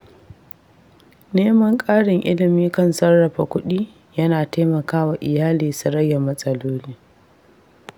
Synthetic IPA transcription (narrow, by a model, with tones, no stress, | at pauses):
neː˦mɐ˦ŋkʼaː˦ɽɪ˨ŋʔɪ̰˦lɪ˨miː˦kɐ˦˨nsɐ˦rːɐ˨ɸa˨kʷʊ˦ɗiː˦ | jɐ˦naː˨teː˦mɐ˨kaː˦waː˨ʔɪ˨jaː˦liː˨sʊ˨ɽɐ˦ja˨mɐ˦sʼɐ˦loː˦liː˦